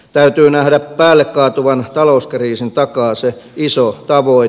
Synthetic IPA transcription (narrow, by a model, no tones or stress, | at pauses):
t̪æyt̪yːnæhdæpppæːlːekkɑːt̪uʋɑnt̪ɑlouskriːsint̪ɑkɑːseisot̪ɑʋoi